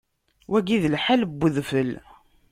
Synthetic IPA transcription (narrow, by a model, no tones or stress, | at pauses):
wæɡiðlħalbːəðfəl